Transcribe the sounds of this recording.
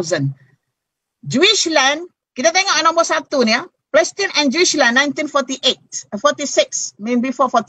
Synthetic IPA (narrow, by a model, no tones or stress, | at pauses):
zə̃n | d͡ʒuiʃlɛ̃n | kit̪at̪ɛŋɔʔnɔ̃məsat̪unia | plɛst̪inɛ̃nd͡ʒuiʃlɛ̃nːãjnt̪infɔt̪iʔet̪̚fɔt̪isɪksmẽnbifɔfɔt̪